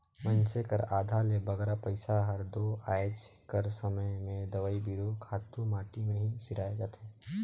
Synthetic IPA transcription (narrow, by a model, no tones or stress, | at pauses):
mə̃nt͡ʃekəɾaːd̪ʱalebɐɡɛːɾapɐɪsaɦɐɾd̪oaːjd͡ʒ | kɐɾsəməjmẽd̪ɐʋaːibiɾokʰaːt̪ːumaːʈimẽɦiʃɪɾaːed͡ʒaːt̪eɦɛ̃ː